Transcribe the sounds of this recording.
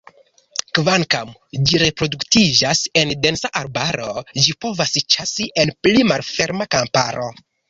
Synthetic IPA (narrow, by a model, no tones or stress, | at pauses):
kvaŋkamd͡ʒiɾe̞pɾo̞duktid͡ʒase̞nde̞nsaʔaɾbaɾo̞d͡ʒipo̞vasit͡ʃasiʔe̞nplimalfe̞ɾmakampa̰ɾo̞